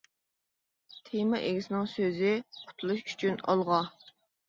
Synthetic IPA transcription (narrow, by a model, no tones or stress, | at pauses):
t̪ʰejmɑʔeɡʲɪsɪnɪŋsøzɪqʰʊ̥t̪ʰulˠuʃy̥t͡ʃʰynɑ̰lˠʁɑ